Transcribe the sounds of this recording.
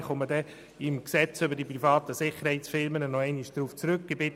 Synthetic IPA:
χʊmːədɛ | ɪmksɛt͡søbəɾdiprifɑːt̪əsɪχəɾhɛɪtsfɪlmənənɔɛɪnɪʃd̥ɾuːft͡sɾøkɡ̥ebɪt

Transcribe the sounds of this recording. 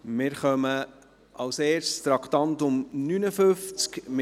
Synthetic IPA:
mɪːɾχœmə | ɑwseːɾʃt̪ɾɑkt̪ɑntʊmnynəfɵft͡skmɪ

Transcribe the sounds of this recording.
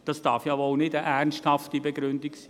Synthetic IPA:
d̥ɑsd̥ɑɾfjɑːvolnɪdəʔæɾnsthɑftibeɡɾʏndɪksi̥ː

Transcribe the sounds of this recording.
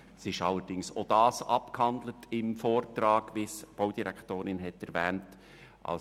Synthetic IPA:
sɪʃɑləɾd̥ɪŋso̰d̥ɑːsɑpkhɑnd̪lətɪmfoːɾtɾɑːɡ̥ʋisb̥oʊd̥iɾækʰtoːɾɪnɦɛtɛɾvɛːnt | ʔɑ̰l

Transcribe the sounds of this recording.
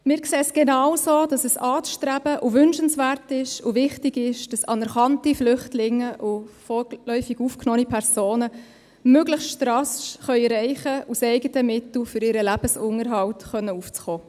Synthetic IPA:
mɪːɾkseːsɡ̥enɑwsoːd̥ɑsɛsɑːt͡sʃtɾæbəʔʊʋʏnʃənsʋærtɪʃʊʋɪχtɪɡɪʃd̥ɑsɑnɛɾχɑntiflʏχtlɪŋːəʔʊfɔlœʏfiɡuːfknɔːnipʰɛɾsoːnə | møɡləχsʃtɾɑsʃχœʏɾɛɪχəusɛɪɡətəmɪtl̩fʏɾɪɾəlæb̥əsʊŋəɾɦɑltχœnːəuːft͡sχoː

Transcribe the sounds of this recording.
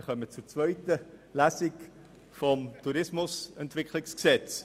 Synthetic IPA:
χœmət͡suɾt͡svœʏtəlæsɪk | fɔmtʰuɾɪsmʊsɛntv̥ɪkʰlɪksksɛt͡s

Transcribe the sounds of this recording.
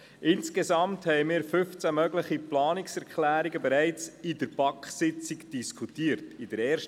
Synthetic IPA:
ʔɪnskezɑmthɛɪmɪːɾfʏft͡sæmœɡləχiplɑːniksɛɾkχlæːɾiɡəbeɾæɪt͡sidəɾpɑkχsɪt͡sɪkd̥iskʰutiːəɾtidəɾɛːɾʃt

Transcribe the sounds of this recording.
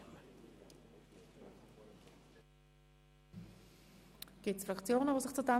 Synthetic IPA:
ɡ̥ɪtsfʁakt͡sjoːnəvoːsɪχt͡suda

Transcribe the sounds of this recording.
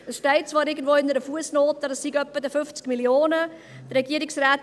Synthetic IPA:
əsʃtɛɪt̚t͡sʋɑːɾɪɡən̩dvʋoːɪnəɾəfuəsnoːtədɑsːiɡœpːədəfʏft͡skmiljoːnə | d̥ːɛɡiəɾɪksraːt

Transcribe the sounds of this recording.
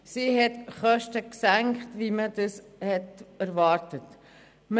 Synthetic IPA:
siɦɛtχœʃtəksæŋkχtʋiməd̪əshɛtæɾvɑːɾtət | m

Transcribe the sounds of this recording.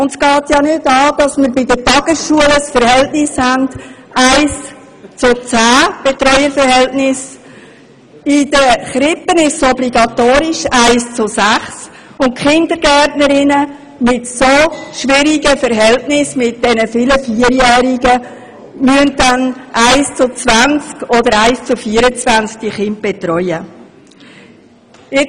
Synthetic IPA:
ʊnsɡ̥ɑːtjɑnʏdɑːd̥ɑsməɾbɪdətɑɡ̥əsʃuələsfəɾhɛltnɪshænd | aɪs | t͡sʊt͡sæːb̥etɾɔjəɾfəɾɦɛltnɪs | ɪd̥əχɾɪpːənɪʃsɔbliɡɑtoːɾɪʃaɪst͡sʊsæχs | ʊntkχɪnd̪əɾɡ̥ɛtnəɾɪnə | mɪtsoʃʋɪɾiɡəfəɾɦɛltnɪsmɪt̚d̥ɛnəfɪləfiːəɾjɛːɾiɡə | myəndanʔaɪst͡sʊt͡svant͡skɔdəɾaɪst͡sʊfiːəɾət͡svænt͡sk̚d̥iχɪnt̚b̥ɛt̪ɾɔʏə | ɪ

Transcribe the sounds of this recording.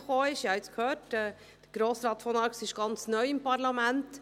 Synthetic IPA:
χoːɪʃhiɑɪt͡skhøːɾtɛː | d̥əɡ̥ɾoːsɾɑːt̪fɔnɑɾksɪʃɡ̥ɑnt͡snœʏɪmpɑɾlɑmænt

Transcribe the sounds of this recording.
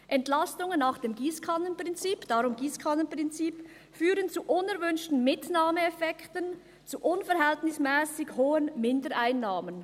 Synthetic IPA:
ʔɛntlastʊŋənːaːχd̥eːmɡiːskʰanənpʁ̥ɪnt͡siːpd̥aʁʊmɡiːskʰanənpʁɪnt͡siːp | fyːɾənt͡suʔʊnɛʁvʏnʃtn̩mɪtnaːməɛfɛktən | t͡suʔʊnfɛʁɦɛltnɪsmɛːsɪɡhoːənmɪndəɾʔaɪnːaːmən

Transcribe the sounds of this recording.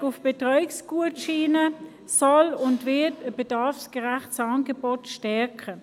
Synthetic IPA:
ʊfb̥etʁɔʏɪksɡ̥uətʃiːnə | sɔlʊndʋɪɐtəb̥edɑɐfskəʁaχt͡sɑːnɡebɔtʃtɛɐkə

